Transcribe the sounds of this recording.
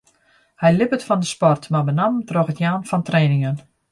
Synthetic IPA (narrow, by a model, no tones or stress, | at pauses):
hɛjlɪpətfɔndəspɔrtmabənamtroxətjaːnfɔntreːnɪŋən